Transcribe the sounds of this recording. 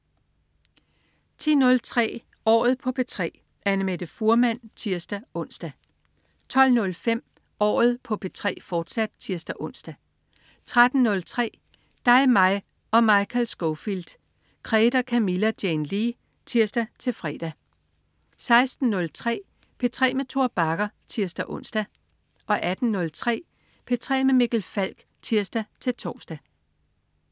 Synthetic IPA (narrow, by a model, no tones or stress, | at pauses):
t͡sʰḭːnɔ̽lt͡sʰʁɛ̰ː | ɒ̰ːð̞̩ˠpʰɒ̽pʰe̝t͡sʰʁɛ̰ː | ʔænəmed̥əfuɐmæn̰t͡sʰiɐsd̥æɔ̽n̰sd̥æ | t͡sʰɒ̽l̰nɔ̽lfem̰ | ɒ̰ːð̞̩ˠpʰɒ̽pʰe̝t͡sʰʁɛ̰ːfɒːd̥sæd̥̚t͡sʰiɐsd̥æʔɔ̽n̰sd̥æ | t͡sʰʁad̥n̩ːɔ̽lt͡sʰʁɛ̰ː | d̥ɑ̈ɪmɑ̈ɪ | ɒ̽mɑ̈ɪkʰælsɡ̥ɔʊfild̥ | kʰʁɛːd̥ɐkʰæmilæd̥jenli | t͡sʰiɐsd̥æt͡sʰe̝lfʁɛ̰ːd̥æ | sɑ̈ɪsd̥n̩ːɔ̽lt͡sʰʁɛ̰ː | pʰe̝t͡sʰʁɛ̰ːmet͡sʰo̝ɐb̥ɑ̈ɡ̥ɐt͡sʰiɐsd̥æʔɔ̽n̰sd̥æ | ʔɒ̽ʔæd̥n̩ːɔ̽lt͡sʰʁɛ̰ː | pʰe̝t͡sʰʁɛ̰ːmemeɡ̥l̩fæl̰ɡ̥ | t͡sʰiɐsd̥æt͡sʰe̝lt͡sʰɒ̰ːsd̥æ